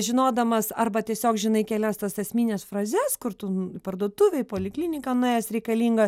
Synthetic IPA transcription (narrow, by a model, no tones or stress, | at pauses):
ʒʲɪnoːd̪ɐmɐsɐrbɐt̪ʲiɛsʲoːkʒʲɪnɐɪkʲɛːlʲɛst̪ɐsɛsʲmʲiːnʲɛːsfrɑːzʲɛskʊɾt̪ʊpɐrd̪uɔt̪uːʋʲɛɪpoːlʲɪklʲiːnʲɪkɐnʊeːjɛsɾʲɛɪkɐlʲiːŋɡɐs